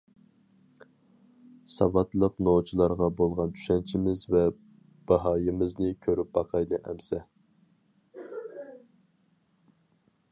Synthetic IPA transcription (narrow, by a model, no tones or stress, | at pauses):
sɑvɑt̪lˠəqnot͡ʃʰilˠɑɾʁɑbolˠʁɑnt̪ʰy̥ʃɛnt͡ʃʰimɪzvɛ | b̥ɑɦɑjɨmɪznɪkʲʰøɾyp̚bɑqʰɑjlˠɨʔɛmsɛ